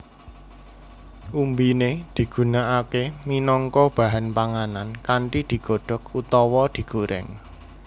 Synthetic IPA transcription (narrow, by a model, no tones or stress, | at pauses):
ʔumbined̪̥i̤ɡ̥ṳnaʔakeminɔŋkɔb̥a̤ɦanpaŋanankaɳʈid̪̥i̤ɡ̥ɔ̤ɖ̥ɔ̤kut̪ɔwɔd̪̥i̤ɡ̥oɾʔɪ̰ŋ